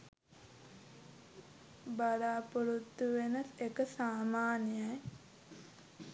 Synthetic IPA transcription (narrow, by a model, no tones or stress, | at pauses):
balaːpuɾut̪ːuʋenəsekəsaːmaːnijaj